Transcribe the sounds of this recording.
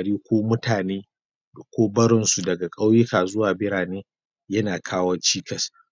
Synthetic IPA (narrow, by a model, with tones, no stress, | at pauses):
ɽiː˦kʷoː˦mʊ˦tʰaː˨neː˦˨ | kʷoː˦bɐ˦ɽɪ˦nsu˨dɐ˨ɡa˨kʼa˦wjɪ˦kaː˨zʊ˦waː˨bɪ˦ɽaː˨neː˦ | jɐ˦naː˨kʰaː˦wɐ˦t͡ʃiː˦kʰɐ˨s